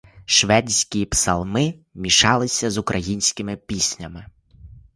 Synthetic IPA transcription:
ʃʋɛdʲsʲkʲipsɐlˠmɪmʲiʃɑlˠɪsʲɐzʊkɾʔɐjinʲsʲkɪmɪpʲisʲnʲɐmɪ

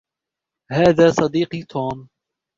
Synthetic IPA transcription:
haːðaːsˤɑd̪iːqit̪ʰoːm

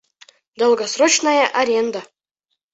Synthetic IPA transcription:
d̪olˠɡosrot͡ɕnajəʔɐɾʲend̪a

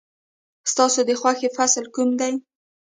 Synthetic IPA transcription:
st̪ɑsod̪əxwaxefaslkumd̪aj

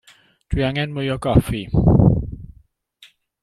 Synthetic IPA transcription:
d̥wiaŋɛnmʊjɔɡɔfi

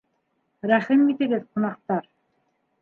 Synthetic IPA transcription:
ɾæχɘnːit̪ɘ̆ɡɘðqŭnɑqt̪ɑɾ

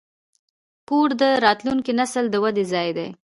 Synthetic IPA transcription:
koɾd̪əɾɑt̪luŋkinasəld̪əwad̪ezɑjd̪ḛj

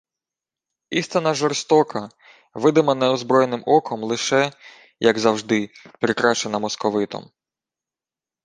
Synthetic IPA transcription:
ist̪ɪnɐʒɔrst̪ɔkɐ | ʋɪd̪ɪmɐnɛɔzbɾɔjenɪmʔɔkʰɔmlˠɪʃɛ | jɐɡzɐwʒd̪ɪpɾɪkɾɑʃt͡ʃenɐmɔskɔʋɪt̪ɔ̰m

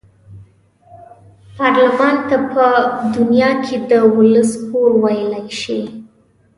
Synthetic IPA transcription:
pɑɾlamɑnt̪apəd̪ʊnjɑkʰed̪əwʊləspoɾwajəlajʃi

